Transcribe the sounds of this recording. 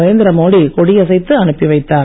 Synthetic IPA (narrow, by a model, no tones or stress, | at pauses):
ʋɐːnd̪ɪɾɐmoːɽikɔɽijɐsɐɪt̪ːɯɐɳɯpːiʋɐɪt̪ːaː